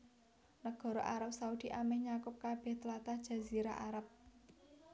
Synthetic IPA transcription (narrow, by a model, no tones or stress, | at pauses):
nəɡ̥ɔ̤ɾɔʔaɾap̚saud̪̥iʔamɛhɲakʊp̚kab̥ɛht̪əlat̪ahd̥ʒ̥a̤ziɾaʔaɾap̚